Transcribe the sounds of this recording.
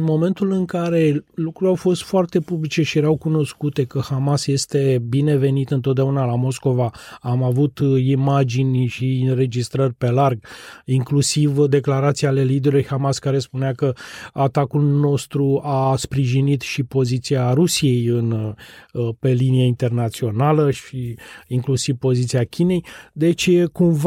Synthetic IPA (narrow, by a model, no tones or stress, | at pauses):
ɨnmo̞me̞nt̪ulɨŋkaɾe̞lukɾuɾʲawfo̞st̪foart̪e̞publit͡ʃe̞ʃijeɾawkuno̞skut̪e̞kəhamasje̞st̪e̞bine̞ve̞nit̪ɨnt̪ot̪d̪eunalamo̞sko̞vaamavut̪imad͡ʒinʲʃiinre̞d͡ʒist̪ɾərʲpe̞larɡiŋklusivd̪e̞klaɾat̪siale̞lid̪eɾuujhamaskaɾe̞spuneakəat̪akulno̞st̪ɾuaspɾiʒinit̪ʃipo̞zit̪siaɾusije̞jɨn | pe̞linijeint̪e̞rnat̪sio̞naləʃiiŋklusivpo̞zit̪siakʲine̞jd̪e̞t͡ʃʲkumv